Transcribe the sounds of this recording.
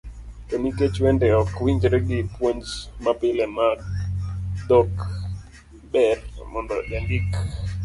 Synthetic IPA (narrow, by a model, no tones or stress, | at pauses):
toniket͡ʃwendɛɔkwiɲd͡ʒɾeɡɪpwoɲd͡ʒmapɪlema | dok | bɛrmɔndɔd͡ʒandik